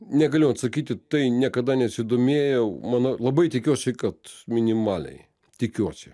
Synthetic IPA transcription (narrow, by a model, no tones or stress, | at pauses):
nʲɛkɐlʲont̪sɐkʲit̪ʲɪt̪ːɨnʲɛkɐd̪anʲɛɐsʲʋʲɪd̪ʊmʲejomɐnɐlˠɐbɨjt̪ʲɪkʲot͡ʃɪkɐt̪mʲɪnʲɪmalʲnɨ̰j | t̪ʲɪkʲot͡ʃʲɪ̥